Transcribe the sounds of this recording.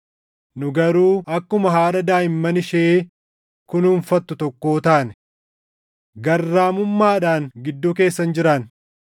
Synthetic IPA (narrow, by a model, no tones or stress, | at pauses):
nʊɡɐɾuːɐkːʊmɐɦaːᶑɐd̪aːɪmːɐnɪʃeː | kʊnʊɱfɐt̪ːʊt̪ɔkːo̞ːt̪aːnɛ | ɡɐrːaːmʊmːaːᶑaːŋɡɪd̪ːuːke̞ːsːɐnd͡ʒɪɾɐn